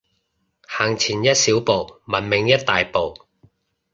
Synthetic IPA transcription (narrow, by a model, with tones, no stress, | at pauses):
haː˨˩ŋt͡sʰiː˨˩njɐ˥t̚siː˨˥wpo˨wmɐ˨˩nmɪ˨˧ŋjɐ˥t̚t̪aː˨jpo˨w